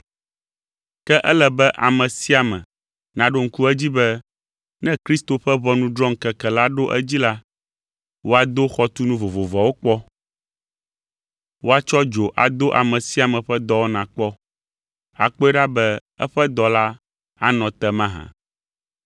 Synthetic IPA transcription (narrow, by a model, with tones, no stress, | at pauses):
kɛ˦ʔɛ˦lɛ˨bɛ˦ʔa˨mɛ̃˨si˦a˨mɛ̰̃˨ | nã˨ɖo˦ŋ̩˦ku˦ɛ˦d͡ʑi˦bɛ˦ | nɛ̃˦kɾi˦st̪o˨ɸɛ˦βɔ˦nũ˦d̪ɾɔ̃˦ŋ˨kɛ˨kɛ˨la˦ɖo˦ʔɛ̰˦d͡ʑi˦la˦ | wo˦a˨d̪o˦xɔ˦t̪u˦nũ˦vo˨vo˨vɔ˨wo˦k͡pɔ˦ | wo˦a˨t͡ʃɔ˦d͡ʒo˨ʔa˨d̪o˦ʔa̰˨mɛ̃˨si˦a˨mɛ̃˨ɸɛ˦d̪ɔ˦wo˦nã˨k͡pɔ˦ | a̰˨k͡pɔ˦ɛ˦ɖa˦bɛ˦ɛ̰˦ɸɛ˦d̪ɔ˨la˦ | a˦nɔ̃˨t̪ɛ˦mã˦ɦã̰˨